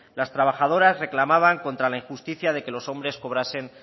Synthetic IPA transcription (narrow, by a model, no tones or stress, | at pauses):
last̪ɾaβ̞axað̞o̞ɾazre̞klamaβ̞aŋko̞nt̪ɾalaiŋxust̪iθjað̞e̞ke̞lo̞so̞mbɾe̞sko̞βɾase̞n